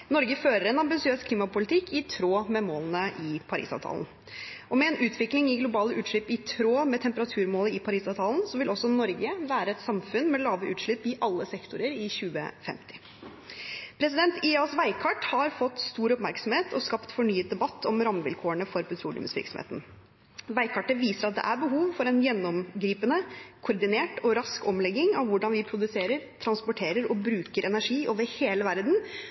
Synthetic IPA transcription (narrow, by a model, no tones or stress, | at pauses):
nɔɾɡəføːɾəɾɛnɑmbɪsɪøːskʰliːmɑpʊlɪt̪ʰɪkːʰɪt̪ʰɾoːmɛmoːlənəʔɪpʰɑɾḭːsɑ̰ʋt̪ʰɑ̰ːl̰n̩ | ʔɔmɛɛːnʔʉːt̪ʰʋɪklɪŋɪɡlʊbɑːləʔʉːt̪ʂɭʏpːɪt̪ʰɾoːmɛt̪ʰɛmpəɾɑt̪ʰʉːɾmoːləɪpʰɑɾiːsɑʋt̪ʰɑːlən̩sɔʋɪlʔɔsːɔnɔɾɡəʋæːɾəɛt̪sɑmfʉnmɛlɑːʋəʔʉːt̪ʂɭʏpːɪʔɑlːəsɛkt̪ʊɾəɾɪçʉːə̰fɛ̰mt̪ʰɪ̥ | pʰɾɛsɪd̪ɛnt̪ɪɑsʋæɪkʰɑʈhɑɾfɔt̪ːst̪uːɾɔpmæɾksɔmheːt̪ʰɔskɑpt̪fɔɳyːət̪̚d̪ɛbɑt̪ːɔmɾɑməʋɪ̰lkʰoːəɳəfɔɾpʰɛt̪ɾuːlɪ̰mə̰sʋɪ̰ɾksɔm̰ːt̪n̩ | ʋæɪkʰɑʈəʋiːsəɾɑt̪̚d̪ɛ̰ʔæɾbəɦuːʋfɔɾɛnjɛnːɔmɡɾiːpənəkʰʊɾd̪ɪneːʈɔɾɑskɔmlɛɡːɪŋɑʋʋʊɖɑnʋɪpʰɾʊd̪ʉseːɾəɾt̪ʰɾɑnspʊʈʰeːɾəɾɔbɾʉːkəɾʔɛnæʂiːʔoːʋəɾheːləʋæɾd̪n̩